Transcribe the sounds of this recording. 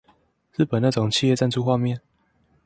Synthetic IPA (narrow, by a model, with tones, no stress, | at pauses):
ɻ̩˥˨pə˨˩na˥˩ʈ͡ʂʊ˨˩ŋt͡ɕʰi˥˧jɛ˥˧t͡sa˥˧nt͡sʰu˥˧xwa˥˧mjɛ˥˨n